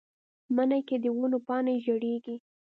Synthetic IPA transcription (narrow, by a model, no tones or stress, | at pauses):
manajked̪əwunopɑneʒoɽeɡi